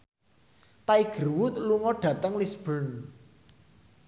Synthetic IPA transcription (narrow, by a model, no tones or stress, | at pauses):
t̪aiɡ̥ə̤rwʊt̪̚luŋɔɖ̥ä̤t̪əŋlisb̥ən